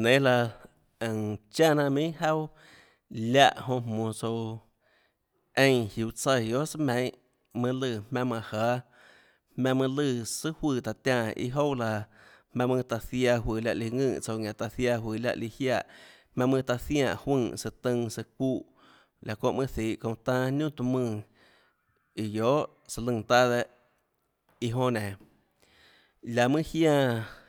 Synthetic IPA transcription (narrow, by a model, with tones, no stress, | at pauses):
nẽ˨˦la˧ | ə̃˨ŋt͡ʃa˦nã˧ʔmĩ˦ʔha˦w | lʲa˧˨ʔhõ˧mmõː˨t͡so˧ | ẽ˧jhju˨t͡sə˧˨jo˦ʔsɨ˦mẽ˨˧˦ | mɨ̃˧lɨ˧˨mmã˧mã˧˨haː˨˦ | hmã˧mɨ̃˧lɨ˧˨sɨ˦hwɨː˧˨t̪a˨t̪ã˧ḭ˧ɦo˦la˧hmã˧mɨ̃˧t̪a˧θja˧ɦwɨː˨lʲja˧ʔli˧ŋɨ̃ː˦˧˨t͡so˧˨ŋã˨t̪a˧θja˧ɦwɨː˨la̰˧ʔli˧hjaː˦˧˨ʔ | hmã˧mɨ̃˧t̪a˧θjã̰ː˧˨ʔhwɨ̃˧˨sɨ˧t̪ɨ̃˧ŋsɨ˧kʷu˦ʔ | lʲa˨kõ˧ʔmɨ̃˦θiː˨˦˨ʔkõ˧t̪ã˦nũ˦˨t̪u˧mɨ̃˦˧˨ | i˨joː˨˦ʔ | sa˧lɨ̃˧˨t̪a˦ðe˧ʔ | i˧ɦõ˧nẽ˨ | lʲa˨mɨ̃˦hjãː˦˧˨